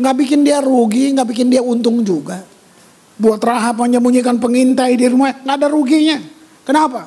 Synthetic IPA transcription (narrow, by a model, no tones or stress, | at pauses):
ŋɡaʔbikɪndiaɾuɡiŋɡaʔbik̬ɪndiaunt̪ʊŋd͡ʒuɡa | buat̪raɦapaɲd͡ʒamuɲikanpəŋint̪aidiɾumaɲaŋɡaːdaɾuɡiɲa | kənapa